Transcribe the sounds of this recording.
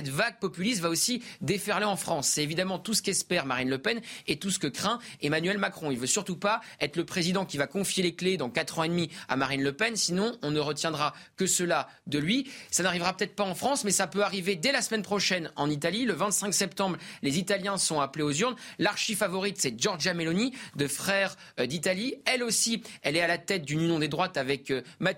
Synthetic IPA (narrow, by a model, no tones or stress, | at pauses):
sɛt̪vaɡ̚pɔpylisvaosid̪efɛʁleɑ̃fχɑ̃sːɛt̪evid̪amɑ̃t̪usə̥kɛspɛʁmaʁinləpɛnet̪usə̥kəkχɛ̃emanɥɛlmakχɔ̃ilvøsyʁt̪upaɛt̪χləpχezid̪ɑ̃kʲivakɔ̃fjelekled̪ɑ̃kat̪χɑ̃ed̪mia̰maʁinləpɛnsinɔ̃ɔ̃nəʁət̪jɛ̃d̪ʁakəsəla | d̪əlɥisanaʁivʁapø̥t̪ɛt̪χpaɑ̃fχɑ̃smɛsapøaʁived̪ɛlasmɛnpχɔʃɛnɑ̃nit̪aliləvɛ̃t̪sɛ̃ksɛp̚t̪ɑ̃bʁlezit̪aljɛ̃sɔ̃apleozyʁnlaʁʃifavɔʁit̪sɛʒɔʁʒamelɔnid̪əfχɛʁ | d̪it̪aliɛlosiɛlɛalat̪ɛt̪̚d̪ynynjɔ̃d̪ed̪ʁwat̪avɛkma